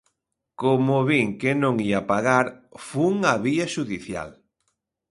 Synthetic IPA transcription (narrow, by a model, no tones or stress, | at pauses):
komʊβiŋkɪnõŋiapaɣaɾfuŋɐβiɐʃuðiθja̰l